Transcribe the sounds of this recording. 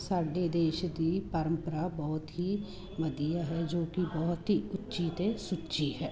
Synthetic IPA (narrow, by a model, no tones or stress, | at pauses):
saːɖeːd̪eːʃd̪iːpəɾə̃mpəɾaːbɔːt̪ɦiː | məd̪ijaːɦɛːd͡ʒoːkɪbɔːt̪ɦiːʊtːʃiːt̪esʊtːʃiːɦɛː